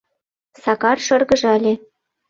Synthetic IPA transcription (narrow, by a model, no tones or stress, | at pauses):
sɑkɑrʃɤ̆rɣə̆ʒɑlʲe